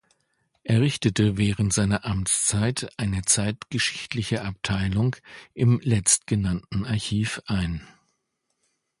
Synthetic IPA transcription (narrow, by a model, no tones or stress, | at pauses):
ʔeːɐʁɪçtətəvɛːʁ̞əntz̥aɪnɐʔamt͡st͡saɪtʔaɪnət͡saɪtɡ̥əʃɪ̥çtlɪçəʔap̚tʰaɪlʊŋʔɪmlɛt͡stɡ̥ənantn̩aɐçiːfʔaɪn